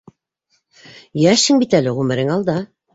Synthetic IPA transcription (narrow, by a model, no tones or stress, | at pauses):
jæʃɘŋbit̪ælɘʁʉmɘ̆ɾɘŋɑlˠd̪ɑ